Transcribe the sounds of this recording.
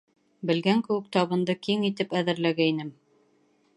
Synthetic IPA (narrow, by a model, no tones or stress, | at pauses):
bɘ̆lɡæŋkɘ̆wɘ̆k̚t̪ɑβɤ̆nd̪ɤkiŋit̪ɘpæðɘ̆ɾlæɡæinɘm